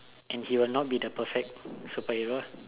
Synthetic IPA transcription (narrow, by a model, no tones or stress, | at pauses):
ʔɛ̃nhiwɪlnɔt̚bidəpəfɛk̚supəhiɹo